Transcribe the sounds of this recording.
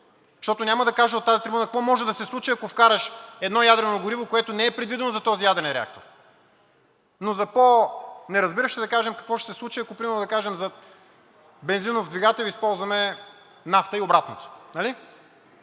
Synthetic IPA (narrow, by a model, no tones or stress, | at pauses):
ʃt̪ɔt̪onʲamɐd̪ɐkaʒɛot̪ːazit̪ɾɛbunəkɐkvɔmɔʒɛd̪ɐsɛslˠut͡ʃiɐkofkaɾɐʃɛd̪nɔjad̪ɾɛnoɡʊɾivokoɛt̪onɛɛpɾɛd̪vid̪ɛnozɐt̪ɔzijad̪ɾɛnɛnɾɛa̰k̚t̪or | nozɐponɛɾɐzbiɾəʃɛd̪ɐkaʒɛmkɐ̥kvɔʃt̪ɛ̥sɛslˠut͡ʃiɐkopɾimɛɾnʊd̪ɐkaʒɛmzɐ | bɛnzinovd̪viɡat̪ɛlispɔlˠzvɐmɛ | naft̪əiobɾat̪not̪o̥nɐli